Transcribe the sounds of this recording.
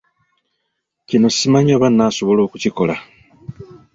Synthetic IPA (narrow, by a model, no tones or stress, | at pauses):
cino̞simaɲaːβanːaːso̞βo̞lo̞ːkuciko̞la